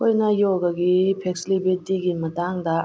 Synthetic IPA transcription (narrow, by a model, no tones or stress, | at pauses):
kojnɐjɔɡɐɡipʰekslibetːiɡimɐtaŋdɐ